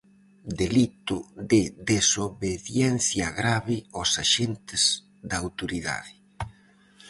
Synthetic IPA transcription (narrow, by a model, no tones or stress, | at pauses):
d̪elit̪ʊðɪðesoβeðjɛn̟θjɐɣɾaβɪosaʃent̪ɪz̥ | d̪ɐːwt̪oɾiða̰ðɪ